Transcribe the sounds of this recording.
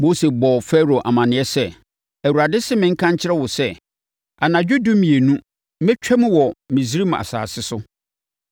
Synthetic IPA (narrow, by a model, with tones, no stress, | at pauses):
mo˦se˨bɔ˨fɛ˦ɾo˨ʔa̰˨mã˨nɪ̃˨ɛ˦sɛ˦ | æ˨wu˨ɾa˨dɪ˦sɪ˦mɪ̃˨˦ŋ̩˦kʰã˦ɲ˦t͡ɕʰɪ˦ɾɛ˦wʊ˨sɛ˦ | a˨nã˨d͡ʑᶣu˦dũ˦mĩ˨e˨nũ˦ | mɛ̃˦t͡ɕᶣʰɛ˦mʊ̃˦wɔ˨mĩ˨s̬i˦ɾi˦m˨a̰˨sa̰ː˨sɪ˦sʊ˦